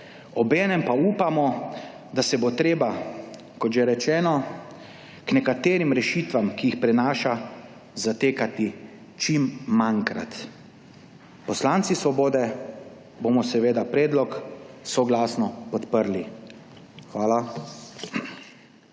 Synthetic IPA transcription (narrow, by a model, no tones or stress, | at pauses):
ɔbɛːnɛmpauːpamɔ | d̪asɛbot̪ɾeːba | kɔt̪ʒɛɾɛt͡ʃɛːnɔ | knɛkat̪eːɾimɾɛʃiːt̪ʋamkijixpɾɛnaːʃa | zat̪eːkat̪i | t͡ʃimːaŋkɾa̰t̪ | pɔslant̪sisʋɔboːd̪ɛ | bomɔsɛʋeːd̪apɾeːd̪lɔksɔɡlaːsnɔpɔt̪pəɾli | xʋaːla